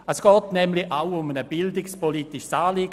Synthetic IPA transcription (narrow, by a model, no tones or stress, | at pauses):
əsɡ̥ɔːtnɛmliʔaʊʊmənəb̥ɪldɪkspʰɔliːtɪʃsaːliːɡ